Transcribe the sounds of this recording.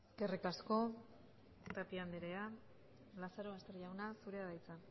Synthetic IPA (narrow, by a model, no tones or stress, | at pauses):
kerikasko̞ | t̪apiand̪eɾea | lasaɾoast̪e̞rʎawnasuɾe̞aðajt͡sa